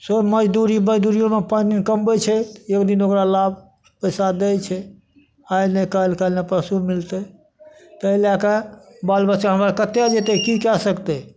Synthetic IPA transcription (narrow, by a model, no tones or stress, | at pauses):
soməd͡ʒd̪uɾiməd͡ʒd̪uɾijõmepaninkəmbɛt͡ʃʰɛekd̪inokɾalabʱ | pəjsad̪ɛt͡ʃʰɛ | ajnekalkəlnepɾəsumilt̪e | t̪əelakabalbət͡ʃːkaɦəmɾakət̪ːjad͡ʒet̪ɛkikɛsəkt̪ɛ